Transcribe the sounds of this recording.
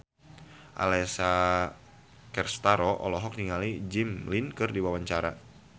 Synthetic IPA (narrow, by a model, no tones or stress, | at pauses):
ʔa̰lɛsa | kɛrst̪aɾoʔɔ̰lɔɦɔk̚niŋalid͡ʒimlinkɨrdiwawaɲt͡ʃaɾa